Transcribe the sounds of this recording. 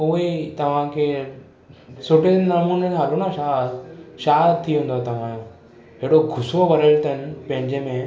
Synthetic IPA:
uʋet̪ɐʋ̤ãkʰe | soʈenɐmunenɦalunaɕad̪ʃad̪t̪ʰːiɦũnd̪ot̪ɐʋ̤ãjo | ɦeɽoɡʱʊsoʋɐɾəlt̪ənpɐ̃ɦɪ̃ɲd͡ʑemẽ

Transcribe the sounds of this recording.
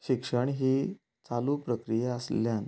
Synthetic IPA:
ɕikʂəɳɦiː | t͡salupɾəkɾijaəsljan

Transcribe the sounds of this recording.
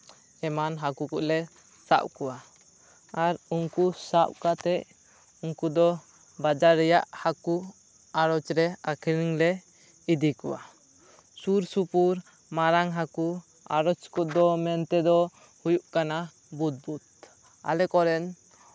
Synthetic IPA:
ɛmanɦakukuʔlɛ | sa̰ʔ̚kɔwa | aɾuŋkusap̚kat̪ɛʔ | uŋkud̪ɔ | bad͡ʒaɾːɛjaʔhaku | aɾɔt͡ʃɾɛakʰɾiŋlɛ | id̪ikuwa̰ | suɾsupuɾ | maɾaŋɦaku | a̰ɾɔt͡ʃkɔʔd̪ɔmɛnt̪ɛd̪ɔ | hujuʔkana | but̪̚but̪̚ | a̰lɛkɔɾɛn

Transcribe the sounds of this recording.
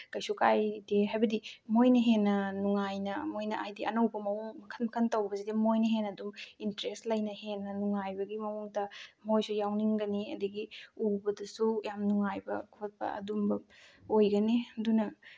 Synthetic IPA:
kɐjsukajdeɦajbɐdimojnɐɦenːɐnuŋajnɐmojnɐʔajdiʔɐnɐwbɐmɐuŋmɐkʰɐnmɐkʰɐntawbɐsidimojnɐɦenːɐdumintɾestlɐjnɐhenːɐnuŋajbɐɡimɐmuŋtɐmojsujawniŋɡɐniɐ̰dɐɡiubɐdɐsujamnuŋajbɐ̰kʰot̚pɐ̰ɐ̰dumbɐojɡɐnedunɐ

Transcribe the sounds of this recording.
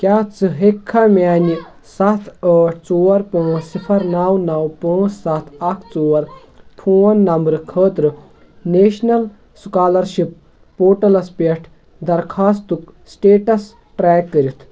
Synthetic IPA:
kʲaːt͡sɨɦekʰːamʲaːni | sɐt̪ʰəːʈʰt͡soːɐɾpə̃ːsipʰɐɾnawnɐwpə̃ːsɐt̪ʰɐkʰt͡soːɐɾ | pʰoːnːɐmbɾɨkʰəːt̪ɾɨ | neːʃnɐl | sukaːlɐɾʃip̚ː | oːʈɐlɐspeʈʰ | d̪ɐɾkʰaːst̪uksʈeːʈɐs | ʈɾɛːkːəɾit̪ʰ

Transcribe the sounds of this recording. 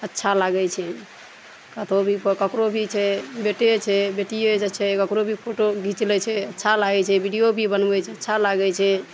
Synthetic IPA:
ətːʃʰalaɡɛt͡ʃʰɛ | kət̪ʰobʱipkəkɾobʱit͡ʃʰɛbeʈet͡ʃʰɛbeʈijed͡ʒət͡ʃʰɛkəkɾobʱipʰoʈoɡʱit͡ʃlɛt͡ʃʰɛətːʃʰalaɡɛt͡ʃʰɛbiɖijobʱibənbɛt͡ʃʰɛətːʃʰalaɡɛt͡ʃʰɛ

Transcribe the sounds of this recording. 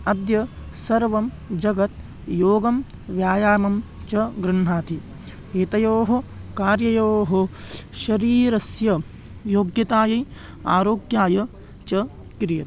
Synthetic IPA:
ɐd̪jɐsɐɾʋɐm | d͡ʒɐɡɐt̪ | joːɡɐm | ʋjaːjaːmɐm | t͡ʃɐɡɾɨɳɦaːt̪i | eːt̪ɐjoːɦɐkaːɾjɐjoːɦɐʃɐɾiːɾɐsjɐ | joːɡjɐt̪aːjɐj | a̰ːɾoːɡjaːjɐ | t͡ʃɐ | kɾɪjɐt̪

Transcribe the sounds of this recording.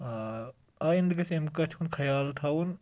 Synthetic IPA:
aːjind̪kɐsemkɐt͡ʃʰunkʰɐjaːlt̪ʰaun

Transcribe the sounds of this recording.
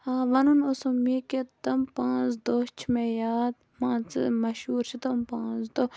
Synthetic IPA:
aːʋɐnunosomiket̪ɐmpãːt͡sd̪ot͡ʃʰmejaːd̪̚ | mãːt͡sɨmɐʃuːɾt͡ʃʰit̪ɐmpãːzd̪o

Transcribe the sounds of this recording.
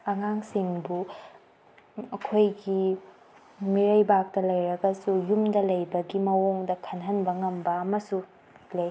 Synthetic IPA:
ɐŋaŋsiŋbu | ɐkʰojɡi | miɾɐjbak̚tɐlɐjɾɐɡɐsujumdɐlɐjbɐɡimɐwoŋdɐkʰɐnɦɐnbɐŋɐmbɐːmɐsu | lej

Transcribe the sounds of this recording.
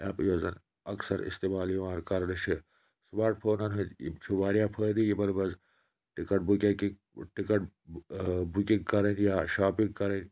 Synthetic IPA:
ɛːpjoːzɐn | ɐksɐɾḭst̪eːmaːljiʋaːɾkɐɾnɐʃʰi | smaːɾʈ̚pʰoːnɐnɦṵt͡ʃʰiʋaːɾijapʰəːd̪ijibɐnbɐz | ʈikɐʈ̚bukʲɐki | ʈikɐʈ̚ | bukiŋɡkɐɾɐnjaːʃaːpiŋɡkɐɾɐnʲ

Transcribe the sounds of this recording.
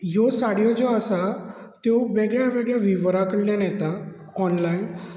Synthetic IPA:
josaɽjɔd͡zɔasa | t̪joʋeɡɭjaʋeɡɭjaʋiʋɾakəɽljãnɛt̪a | ɔnlain

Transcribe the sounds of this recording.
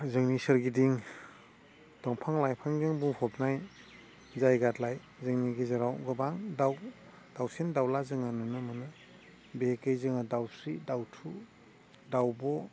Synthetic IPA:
zɯŋnisəɾɡidiŋ | tɔŋpʰaŋlajpʰaŋzɯŋbuŋhɔp̚naj | zajɡatlaj | zɯŋniɡizaɾawɡɯbaŋdaw | d̥awsendawlazɯŋanɯnɯmɯnɯ | beekejzɯŋadawsɾidawtʰu | dawbɔ

